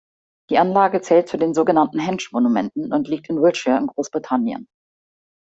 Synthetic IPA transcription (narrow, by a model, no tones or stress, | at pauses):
d̥iːʔanlaːɡət͡sɛːlt̚t͡sudeːnzoːɡənantn̩ɦɛnʃmonumɛntn̩ʔʊntliːk̚tɪnwɪlt͡ʃəɪnɡʁoːsb̥ʁitʰanjə̰n